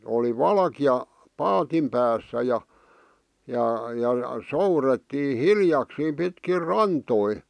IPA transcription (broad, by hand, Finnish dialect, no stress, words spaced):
oli ʋɑlkiɑ pɑːtim pæːsːæ jɑ jɑ jɑ souretːiː hiljɑksiːm pitkir rɑntoi